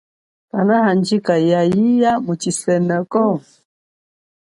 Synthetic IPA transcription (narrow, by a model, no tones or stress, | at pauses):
panahand͡ʒikajajijamut͡ʃisɛnɛkɔ